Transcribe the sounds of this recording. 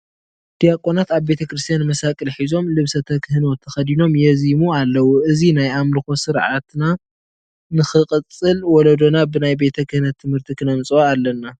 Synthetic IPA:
d̪̥ijakʼonat̪aβbe̞t̪ʰɐkɾɨst̪ʰjanmɐsakʼɨlħizo̞mlɨβsɐt̪ʰɐkʰɨhɨno̞t̪ʰːɐxɐd̪ino̞mjɛzimualːɐwuʔɨzinajamlɨxo̞sɨɾʕa̰t̪na | nɨxɨkʼɨt͡sʼɨlwɔlɐd̪o̞nabɨnajbe̞t̪ʰɐkɨhɨnɐt̪ʰːɨmhɨɾt̪ʰikʰɨnɐmt͡sʼaalːɐnːa

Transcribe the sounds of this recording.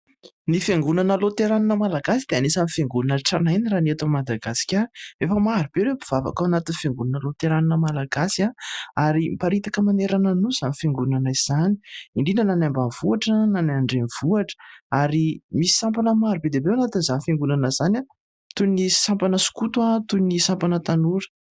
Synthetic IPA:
nifeŋɡunanəlot̪eɾaninəmalaɡasid̪̥eanisanifeŋɡunanaʈ͡ʂanajniranet̪amad̪aɡasi̥kʲaefəmaɾub̥eɾewbiv̥ava̰kawanat̪infeŋɡunanəlot̪eɾaninəmalaɡasiaaɾimpaɾit̪akəmaneɾananuz̥anifeŋɡunanaiz̥ani̥iɳɖ͡ʐinənanambanv̥uaʈ͡ʂənanaɳɖ͡ʐenv̥uaʈ͡ʂə̥aɾimisi̥sampanəmaɾubed̪ebewanat̪inizanifeŋɡunanəz̥ana | t̪unisampanəsu̥kut̪wat̪unisampanət̪anuɾə̥

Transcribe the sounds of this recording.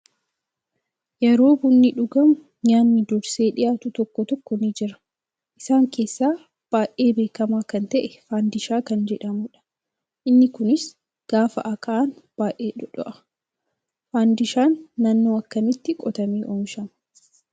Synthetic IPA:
jɛɾo̞ːbʊnːɪᶑʊɡɐmʊ | ɲaːnːɪd̪ɔɾseːᶑɪjaːt̪ʊt̪ɔkːɔt̪ɔkːɔnɪd͡ʒɪɾɐ̥ | ʔɪsaːŋkʰe̞ːsːaː | b̥aːʔe̞ːbe̞ːkɐmaːkɐnt̪ɐʔɛfaːnd̪ɪʃaːkɐnd͡ʒɛᶑɐmʊᶑɐ̥ | ʔɪnːɪkʊnɪs | ɡ̥aːfɐ̰ʔɐkʼɐʔaːnb̥aːʔe̞ːᶑʊᶑɔ̰ʔɐ̥ | faːnd̪ɪʃaːnːanːoːɐkːɐmɪt̪ːɪkʼɔt̪ɐmiːʔɔmʃɐm

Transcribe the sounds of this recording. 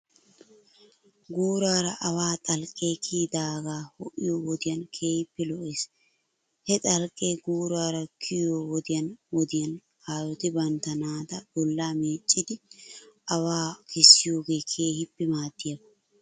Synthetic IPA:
ɡuːɾaːɾɐʔɐwaːt̪ʼɐlkʼːe̞ːkʰiːd̪aːɡaːhɔʔɪjoːwɔd̪ɪjɐnkʰe̞ːhɪpːɛlɔʔeːs | hɛt̪ʼɐlkʼːeːɡuːɾaːɾɐkʰɪjoːwɔd̪ɪjɐnwɔd̪ɪjɐn | haːjɔt̪ɪbɐnt̪ɐnaːd̪ɐb̥ɔlːaːmiːt͡ʃʼːɪd̪ɪ | ɐwaːkʰɪsːɪjo̞ːɡeːkʰeːhɪpːɛmaːt̪ːɪjɐbɐ

